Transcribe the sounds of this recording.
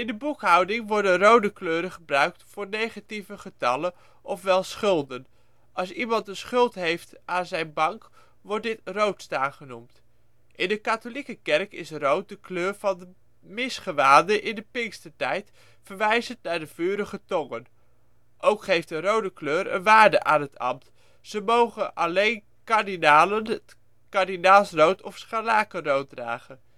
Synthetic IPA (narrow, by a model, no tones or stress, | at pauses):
ɪndəbukɦʌwdɪŋʋɔɹdənrowdəkløːɾəχəbrœɥk̚tfʊːɹnejχativəχətɑlən | ʔɔfʋɛlˠsχɵlˠdən | ʔɑlˠsimɑntənsχʏlˠtɦejftʔaːnzɛjnbɑŋk | ʋɔɹt̚dɪtrowtstaːχənumt | ʔɪndəkaːtolikəkɛrkɪsrowt̚dəkløːɹvɑndə | mɪsχəʋaːndəʔɪndəpɪŋkstətɛjt | fəɹʋɛjzəntnaːɹdəv̥yːɾəχətɔŋən | ʔowkχejftdərowdəkløːɾə̰nʋaːɹdə̰ʔaːnɦətɑ̰mt | z̥əmowχənʔɑlejn | kaɹdinaːlənə | kaɹdinaːlˠsrowtʰɔfsχalaːkərowt̚dra̰ːχən